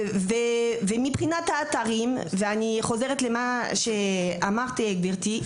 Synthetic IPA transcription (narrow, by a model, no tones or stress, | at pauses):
vevemibχinat̪haːt̪aʁimveaniχo̞zeʁet̪lemaʃeamaʁt̪ieɡbiʁt̪i